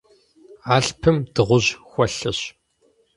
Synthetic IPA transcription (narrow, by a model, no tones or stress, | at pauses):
aːɬpʰɨmd̥ɨʁʷʊʑxʷɐɬɐɕ